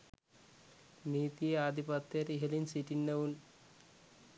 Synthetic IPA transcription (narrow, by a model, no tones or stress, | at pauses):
niːt̪iaːd̪ʱipɐt̪ːjɐɾiɦɐlinsiʈinːɐʋun